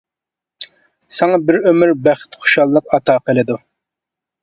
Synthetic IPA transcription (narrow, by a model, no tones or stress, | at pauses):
sɑŋɑbɪɾømɪɾbæχɪ̥t̪χʊ̥ʃɑlˠːəqɑt̪ʰɑːqəlˠɨd̪u